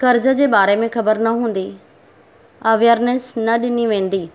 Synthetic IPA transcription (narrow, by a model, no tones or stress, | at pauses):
kɐɾd͡ʑəd͡ʑeːbaːɾemẽxɐbəɾnɐɦũːn̆d̪i | ɐʋjəɾnesnɐɗɪniʋẽːnd̪iː